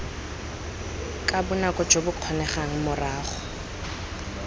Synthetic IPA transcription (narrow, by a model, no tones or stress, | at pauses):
kʼabʊnakʼɔ̥d͡ʒobʊq͡χʰɔnɛχaŋ̩mʊraːχɔ̥